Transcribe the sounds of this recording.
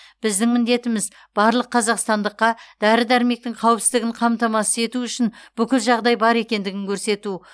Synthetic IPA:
b̥ɪzd̪ɪŋmɪnd̪e̞t̪ɪmɪz | b̥ɑɾlˠəqːʰɑzɑqst̪ɑnd̪əqːɑd̪̥æɾɪd̪æɾɪme̞k̚t̪ɪŋqʰɑwəpsɪzd̪ɪɡʲɪɴqʰɑmt̪ɑmɑsəe̞t̪uʏʃɪnb̥ʏkʲɪlʒɑʁd̪ɑjbɑɾe̞kʲe̞nd̪ɪɡʲɪŋkʲʰɵɾse̞t̪u

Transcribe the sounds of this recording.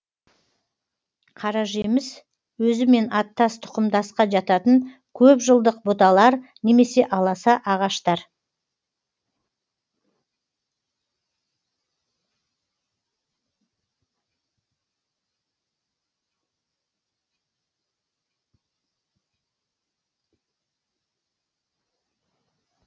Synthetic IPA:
qʰɑɾɑʒemɪz | wɵzɪme̞nʔɑt̪ːɑst̪ʰʊ̥qəmd̪ɑsqɑʒɑt̪ɑt̪əŋ | kʲʰɵpʒəlˠd̪əq̚bot̪ɑlˠɑɾne̞me̞se̞ʔɑlˠɑsɑʔɑʁɑʃt̪ɑɾ

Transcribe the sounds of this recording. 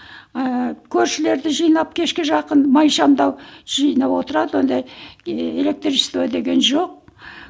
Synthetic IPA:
kʲʰɵɾʃɪle̞ɾd̪ɪʒijnɑp̚kʲʰe̞ʃkʲɪʒɑqənmɑjʃɑmd̪ɑwʒ̥ijnɑwo̞t̪əɾɑd̪əwo̞nd̪ɑje̞le̞k̚t̪rʲist̪vɑd̪e̞ɡʲe̞nʒo̞q̚

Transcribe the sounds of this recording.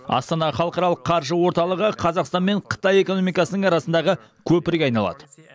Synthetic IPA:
ɑ̰st̪ɑnɑχɑlˠəqɑɾɑlˠəqːʰɑɾʒəwo̞ɾt̪ɑlˠəʁəqʰɑzɑqst̪ɑnme̞ɴqʰə̥t̪ɑje̞ko̞no̞mijkɑsənəŋɑɾɑsənd̪ɑʁə | kʲʰɵpɪɾʲɑjnɑlˠɑ̰d̪̥ə

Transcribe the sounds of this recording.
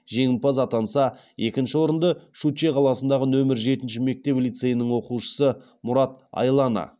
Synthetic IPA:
ʒe̞ŋʲɪmpɑzɑt̪ɑnsɑ | e̞kʲɪnʃɪwo̞ɾənd̪əʃut͡ʃeqʰɑlˠɑsənd̪ɑʁənɵmɪɾʒe̞t̪ɪnʃɪme̞k̚t̪e̞plit̪se̞jɪnɪŋwo̞quʃə̥sə | mʊɾɑt̪̚ɑ̰jlˠɑnɑ̰

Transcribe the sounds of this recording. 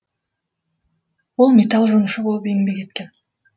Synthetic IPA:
olˠmʲet̪alˠʒonʊʃubo̞lˠupeŋbeke̞t̪̚ken

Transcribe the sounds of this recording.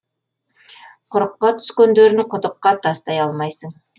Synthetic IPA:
qʰʊɾəqːɑt̪ʰʏ̥skʲend̪eɾɪnqʰʊt̪əqːɑt̪ʰɑst̪ɑjɑlˠmɑjsəɴ

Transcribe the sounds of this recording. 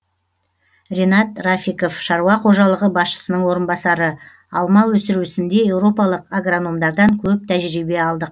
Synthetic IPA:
rʲe̞nɑt̪rafiko̞fʃɑɾuɑqʰo̞ʒɑlˠəʁəbɑsʃə̥sənəɴwo̞ɾənbɑsɑɾə | ɑlˠmɑwɵsɪɾuɪsɪnd̪e̞je̞wɾo̞pɑlˠəqaɡrono̞md̪ɑɾd̪ɑŋkʲʰɵp̚t̪ʰæʒɾibe̞ɑlˠd̪əq̚

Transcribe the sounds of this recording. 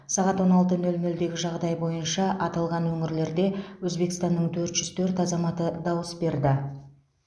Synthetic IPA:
sɑʁɑt̪wo̞nɑlˠt̪ənɵlnɵld̪e̞ɡʲɪʒɑʁd̪ɑjbo̞jənʃɑʔɑt̪ɑlˠʁɑnwɵŋɪɾle̞ɾd̪e̞wɵzbe̞kɪst̪ɑnːəɴt̪ʰɵɾt̪ʒ̥ʏz̥t̪ʰɵɾt̪ɑzɑmɑt̪əd̪ɑwəsbe̞ɾd̪ɪ

